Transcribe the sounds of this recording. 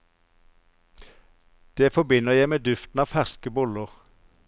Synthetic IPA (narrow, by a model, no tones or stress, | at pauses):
d̪̥eːfɔbɪnəʁjæɪmeːd̪ʉft̪n̩ɑːʋfæʁskəbʊləʁ